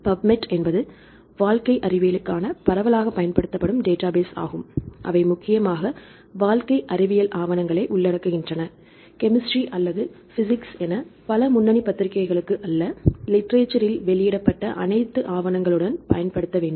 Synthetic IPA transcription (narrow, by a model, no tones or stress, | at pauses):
pɐbmɛʈɛnbɐðɯ | ʋaːlkɐɪʔɐrɪʋɪjɪlɯkːaːnɐpɐɾɐʋɐlaːɣɐpːɐjɐnpɐɽɯt̪ːɐpːɐɽɯmɖeːʈːaːbeːsa̰ːɣɯmʔɐ̰ʋɐɪmʊkːɪjɐmaːɣɐ | ʋaːlkɐɪʔɐrɪʋɪjɐlʔaːʋɐnɐŋɡɐɭɐɪʔʊɭːɐɽɐkːɯɣɪndrɐnɐ | kɛmɪsʈriʔɐlːɐðɯ | fɪs̬ɪksɛnɐpɐlɐmʊnːɐnipɐt̪ːɪɾɪkːɐɪɣɐɭɯkːɯʔɐlːɐlɪʈɐɾeːt͡ʃɐɾɪlʋɛɭɪjɪɽɐpːɐʈːɐʔɐ̰nɐɪt̪ːɯʔaːʋɐnɐŋɡɐɭɯɽɐnpɐ̰jɐnpɐɽɯt̪ːɐʋeːɳɖɯm